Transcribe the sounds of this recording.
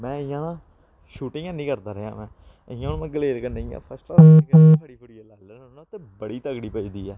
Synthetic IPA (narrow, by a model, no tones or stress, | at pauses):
mɛ̃ːɪjãːnãː | ʃuːʈɪŋãːnĩːkəɾd̪aːɾəɦjã̰ːmɛ̃ː | əjãːmɛ̃ːɡəleːɾkənəĩja̰ːsəsʈakãpʰəɽiːbəɽiːəlɛːlə | nãt̪ːeːbəɽiːt̪əɡɽiːpəiːd̪iːɛː